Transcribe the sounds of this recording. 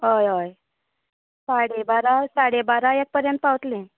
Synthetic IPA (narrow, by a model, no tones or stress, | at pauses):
ɦəjəj | saɽebaɾasaɽebaɾajek̚pəɾjə̃nt̪̚pawt̪lẽ